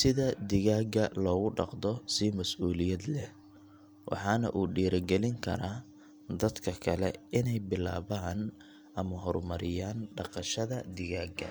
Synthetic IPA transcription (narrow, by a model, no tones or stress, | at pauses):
sɪðɐd̪ɪɣaːɡɐlɔːɣʊɖɑ̰qd̪ɔsimɐsʔuːlɪjɐd̪lɛ | wʔɑ̰ħɑːnɐ̰ʔuːɖiːɾɐɡɛlɪŋkʰɐ̰ɾaː | d̪ɐd̪kʰɐkʰɐlɛ̰ɪnɛjbɪla̰ːβaːn | ʔɐmɐɦɔɾmɐɾɪjaːnɖɑqɑʃɐðɐd̪ɪɣaːɡɐ̰